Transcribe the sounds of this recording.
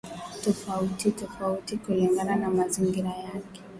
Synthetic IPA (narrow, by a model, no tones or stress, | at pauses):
tɔfautitɔfautikuliŋɡananamaziŋɡiɾajakɛ̥